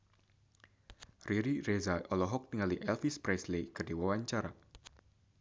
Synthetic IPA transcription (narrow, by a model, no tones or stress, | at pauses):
riɾirezaʔɔlɔɦɔk̚t̪iŋaliʔɛlfispɾɛslekɨrdiwawaɲt͡ʃaɾa